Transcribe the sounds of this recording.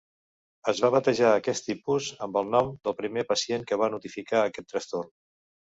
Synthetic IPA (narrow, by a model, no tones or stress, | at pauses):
əzβaβət̪əʒaəkɛst̪ipuzəmbəlˠnɔmd̪əlˠpɾimepəsieŋkəβ̞anut̪ifikaəkɛt̪ːɾəst̪orn